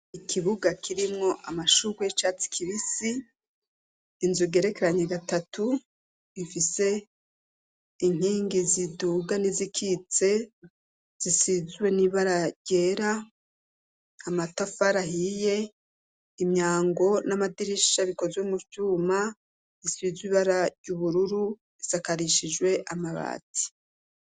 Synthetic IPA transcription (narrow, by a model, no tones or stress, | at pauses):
ikʰiβuɡakʰiɾimŋo̞ʔamaʃuɡwet͡ʃaːt͡si̥kʰiβisi | nzuɡe̞ɾe̞keɾaɲeɡatatʰu | ifise̞ | iŋ̥iːŋɡiziduɡanizikʰit͡se̞ | z̥isizwe̞niβaɾaɾɟe̞ːɾa | amatafaɾaɦije̞ | imɲaːŋɡo̞namadiɾiʃaβiko̞zwemut͡ʃuːma | isizwiːβaɾaɾɟuβuɾuɾu | isakaɾiʃid͡ʒwe̞ʔamaβa̰ːti̥